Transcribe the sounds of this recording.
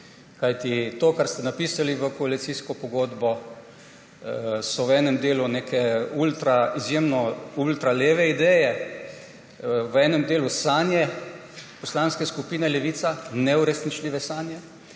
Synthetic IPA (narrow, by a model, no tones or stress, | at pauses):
kajt̪it̪oːkaɾst̪ɛnapisaliʋəkɔalit̪siskɔpɔɡoːd̪bɔ | sɔwɛːnɛmd̪eːlunekʰɛult̪ɾaizjemnɔult̪ɾaleːʋɛid̪ɛjɛ | ʋɛːnɛmd̪eːlusanjɛ | pɔslanskɛskupiːnɛlɛʋiːt̪sanɛuɾɛsnit͡ʃliʋɛsanjɛ